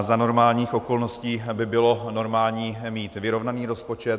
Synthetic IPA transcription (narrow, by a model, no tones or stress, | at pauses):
zano̞ɾmaːlɲiːxʔo̞ko̞lno̞sciːbɪbɪlo̞no̞ɾmaːlɲiːmiːt̪vɪɾo̞vnaniːɾo̞spo̞t͡ʃɛt̪